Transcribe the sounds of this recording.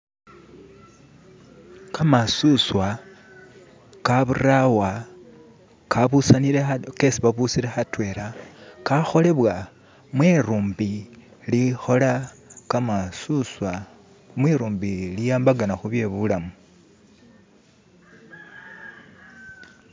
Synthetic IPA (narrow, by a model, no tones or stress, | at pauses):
kamasuswa | kaβurawa | kaβusaniɾeke̞siβaβusiɾe̞xatwe̞ːɾakaxo̞le̞βwa | mweɾuːmbi | lixo̞la | kamasuswa | mweɾuːmbilijaːmbaɡanaxuβje̞βulamu